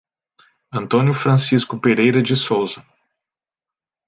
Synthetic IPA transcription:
ɐ̃nt̪õnʲjʊfɾɐ̃siskʊpeɾejɾɐd͡ʒɪsowzɐ

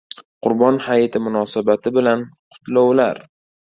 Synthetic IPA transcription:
qʰʊɾbɒnhajt̪ʰɪmʊnɒsabat̪ʰɪbɪlanqʰʊ̥t̪lowlaɾ

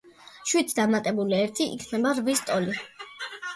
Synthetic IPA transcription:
ʃwit̪ʰd̪amat̪ʼɛbuliɛɾt̪ʰiʔḭkʰnɛbaɾvist̪ʼɔli

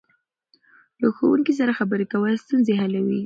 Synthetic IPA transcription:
ləxo̰wuŋkis̬aɾaxabəɾekawəlst̪unzeɦalawi

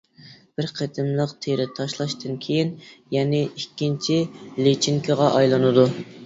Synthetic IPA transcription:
b̥ɪɾqʰet̪ʰɪmlˠəqt̪ʰeɾɪt̪ʰɑʃlˠɑʃt̪ɨnkʲʰejinjɛnɪikʲʰːint͡ʃʰilet͡ʃʰiŋkʰɪʁɑʔɑjlˠɨnɨd̪u

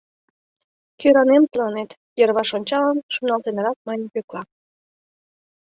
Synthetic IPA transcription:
køɾɑnemt̪əlɑnet̪ | jərβɑʃonʲt͡ɕɑlənʃunɑlt̪enəɾɑk̚mɑnʲpøklɑ

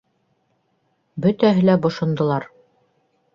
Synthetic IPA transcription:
bɵ̆t̪æɦɘ̆læbŏʃŏnd̪ŏlˠɑɾ

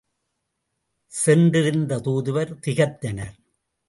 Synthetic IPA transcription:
sɛnɖɪɾɯnd̪ɐt̪uːðɯʋɐɾt̪ɪɣɐt̪ːɐnɐ̰ɾ

